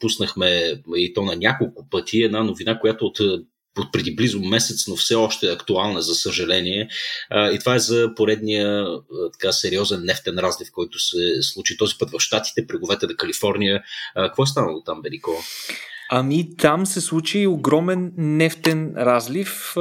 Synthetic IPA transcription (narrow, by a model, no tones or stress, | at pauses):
pusnəxmɛit̪ɔnɐnʲakolˠkʊpɤt̪ʰiɛd̪nanovinakojat̪oːt̪ | ot̪̚pɾɛd̪iblizʊmɛsɛt̪snofsɛɔʃt̪ɛːɐkt̪ualˠnəzɐsəʒɐlɛniɛit̪ovaɛzəpoɾɛd̪nijət̪ɐ̥kasɛɾiɔzɛnːɛft̪ɛnɾazlifkɔjt̪ʊsɛslˠut͡ʃit̪ɔzipɤt̪vɐfʃt̪at̪i̥t̪ɛpɾɛɡovɛt̪ɛnɐkɐlifɔɾnʲijəkəkvɔɛst̪anəlˠot̪amvɛlikɔ | ɐmit̪amsɛslˠut͡ʃiːoɡɾɔmɛnːɛft̪ɛnɾazlif